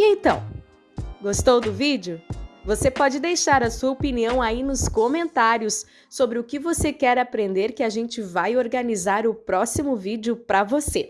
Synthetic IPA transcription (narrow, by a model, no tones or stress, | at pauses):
ɪẽt̪ɐ̃w̃ | ɡost̪owd̪ʊvid͡ʒjʊvosepɔd͡ʒɪd̪ejʃaɾɐsuɐopiniɐ̃w̃ainʊskomẽnt̪aɾjʊsː | obɾɪʊkɪvosekɛɾapɾẽnd̪eɾkɪaʒẽnt͡ʃɪvajoɾɡɐnizaɾʊpɾɔsimʊvid͡ʒɪʊpɾɐvose